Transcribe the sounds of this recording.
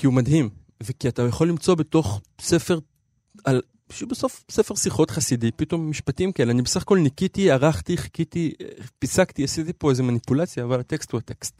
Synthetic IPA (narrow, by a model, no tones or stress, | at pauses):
kiumadɦim | ve̞kiat̪ajaχo̞lːimt͡so̞beto̞χse̞feʁ | al | ʃubeso̞fsefe̞ʁsiχo̞t̪χasidipito̞mːiʃpatimkaeleanibesaχako̞lnikitiaʁaχt̪iχi̥kit̪ipisakt̪iasit̪ipoezemanipulat͡sjaːvalat̪ekst̪uat̪e̞kst̪̚